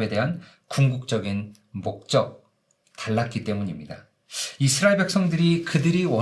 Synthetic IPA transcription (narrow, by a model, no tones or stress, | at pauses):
be̞de̞ɦan | kuŋɡuk̚t͡ɕ͈ʌɡin | mok̚t͡ɕ͈ʌk̚ | taɭːat̚k͈it͈e̞muɲimɲida | isʰɯɾaeɭbe̞k̚s͈ʌŋdɯɾikɯdɯɾiwʌ